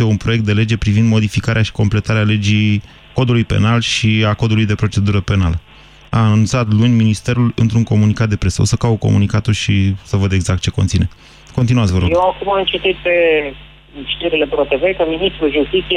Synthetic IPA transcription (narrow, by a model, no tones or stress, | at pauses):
jeunpɾojek̚t̪d̪e̞le̞d͡ʒe̞pɾivind̪mod̪ifikaɾeaʃi̥ko̞mple̞t̪aɾeale̞d͡ʒi | ko̞d̪ulujpe̞̰nalʃiakod̪ulujd̪e̞pɾo̞t͡ʃe̞d̪uɾəpe̞nalə | a̰ːnununt̪sat̪lunʲminist̪e̞ɾulɨ̰nt̪ɾuŋko̞munikat̪̚d̪e̞pɾe̞səosəkawko̞̰munikat̪ulʃisəvəd̪e̞ɡzak̚t̪̚t͡ʃe̞ko̞nt̪sine̞ | ko̞nt̪inuat̪svəɾojeakumaɨnt͡ʃet̪it̪̚pe | ʃt̪iɾile̞pɾot̪evekəminist̪ɾulʒust̪it̪sije